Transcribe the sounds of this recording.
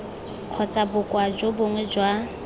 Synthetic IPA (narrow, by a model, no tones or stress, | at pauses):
q͡χʰɔt͡sʼabʊkʼwad͡ʒoboŋwɛd͡ʒwa